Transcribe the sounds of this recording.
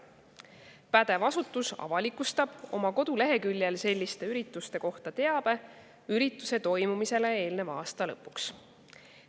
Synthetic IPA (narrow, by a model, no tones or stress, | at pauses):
pæd̪̥e̞vɑsut̪ːˑusɑ̰vɑlikust̪ɑb̥o̞̰mɑko̞d̪̥ule̞ɦe̞kylʲjelse̞lʲːist̪e̞yɾit̪ːˑust̪e̞ko̞ht̪ɑt̪e̞ɑb̥e̞ | yɾit̪ːˑuse̞t̪o̞jmumise̞le̞e̞ːlne̞vɑːst̪ɑlɤpːˑuks